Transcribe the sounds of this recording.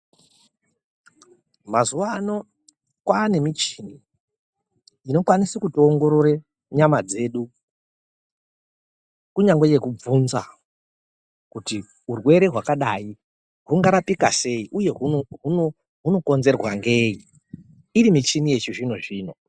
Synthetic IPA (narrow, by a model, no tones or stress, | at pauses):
mazuano̞ | kwaːne̞mit͡ʃini | ino̞kwanisikutoŋɡo̞ɾoɾe | ɲamad͡ze̞ːɗu | kuɲaŋɡeje̞kub͡vunza̰ | kuti | ɦurwe̞ɾe̞ɦwakaɗai | ɦuŋɡaɾapikase̞iʔuje̞ɦuɦuno | ɦuno̞ko̞nze̞rwaŋɡe̞i | irimit͡ʃinije̞t͡ʃuʐino̞ʐiːno̞